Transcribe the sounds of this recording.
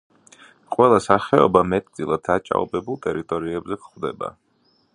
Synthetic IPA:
qʼwɛlˠasaχɛɔ̰bamɛt̪ʼd̪zilˠad̪̥at͡ʃʼa̰ɔ̰bɛbulˠt̪ʼɛɾit̪ʼɔɾiɛbzɛkχwvd̪ɛba̰

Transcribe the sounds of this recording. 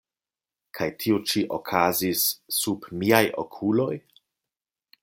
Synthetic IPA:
kʰajtʰiut͡ʃiʔo̰kʰazisːubmiajʔo̰kʰulo̞j

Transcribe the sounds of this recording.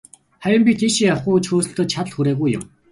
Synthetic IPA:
χæɾʲə̆mpʲit̪ʰiʃiawχuːt͡ɕʰuːs̆ɬt̪ə̆t͡ɕʰat̪ɮxuɾeːɣujːʊ̰̆m

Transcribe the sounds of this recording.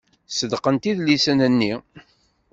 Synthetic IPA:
səd̪qənt̪iðlisənənːi

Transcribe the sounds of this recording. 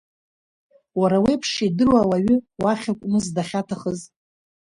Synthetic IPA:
waɾawepʰʂidɨrwawaɥʏwaχʲakʷʼmɨzdaχʲatʰaχəz

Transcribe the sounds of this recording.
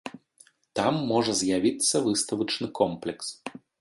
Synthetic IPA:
t̪amːɔʐɐzʲjavʲit̪sːɐvɨst̪ɐvɐt͡ʂnɨkɔmplʲɛks

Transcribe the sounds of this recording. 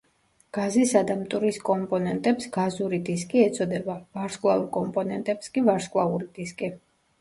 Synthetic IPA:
ɡ̥azisad̪amt̪ʼuɾiskʼɔmpʼɔnɛnt̪ʼɛpsɡ̥azuɾid̪iskʼiɛt̪sʰʼɔd̪ɛbavaɾskʼlˠauɾkʼɔmpʼɔnɛnt̪ʼɛpskʼivaɾskʼlˠauɾid̪̥iskʼi

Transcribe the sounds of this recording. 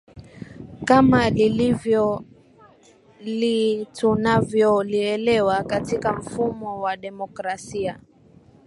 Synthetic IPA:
kamalilivjɔ | litunavjɔliɛlɛwakatikam̩fumɔwaɗɛmɔkɾasia

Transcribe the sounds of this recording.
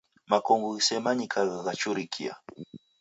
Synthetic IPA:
makoŋɡsemaɲikʰaɣaɣat͡ʃʊɾikʰḭa̰

